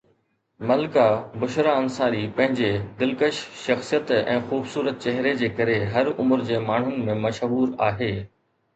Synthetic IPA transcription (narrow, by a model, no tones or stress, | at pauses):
mɐlkabʊʃɾaɐnsaːɾipɐ̃ɦɪ̃ɲd͡ʑed̪ɪlkəʃʃɐxsijət̪ɛ̰̃ːxuːbsuːɾət̪̚t͡ɕɛɦɪɾed͡ʑeːkɐɾeɦɐɾʊmʊɾd͡ʑeːmaːɳ̤ʊnɪ̆mẽmɐʃɦuːɾaːɦeː